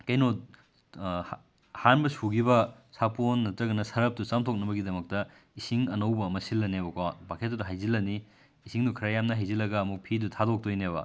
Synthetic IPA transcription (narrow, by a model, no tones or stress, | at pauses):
kɐjno | hanbɐsuɡibɐsaponːɐtɾɐɡɐnɐsɐɾɐp̚tusamtʰok̚nɐbɐɡidɐmɐk̚tɐ | isiŋɐnɐwbɐːmɐsilːɐnebɐkabakʰet̚ːudɐɦajzilːɐni | isiŋdukʰiɾajamnɐɦajzilɐɡɐːmuk̚pʰidutʰadok̚tojnebɐ̰